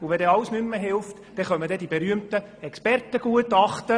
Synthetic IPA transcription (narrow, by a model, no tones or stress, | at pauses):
ʊʋɛdɛɑlsnymːəɦɪlft | d̥ɛχœnmədɛdibeɾyəmtə | ɛkspɛrtəɡ̥uətɑχtə